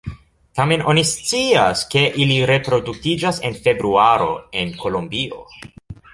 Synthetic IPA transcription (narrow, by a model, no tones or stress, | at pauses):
tame̞no̞nist͡siaske̞ʔiliɾe̞pɾo̞duktid͡ʒase̞nfe̞bɾuaɾo̞̰e̞nko̞lombio̞̰